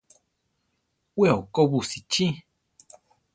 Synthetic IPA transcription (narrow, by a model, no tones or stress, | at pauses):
weokobusit͡ʃĩ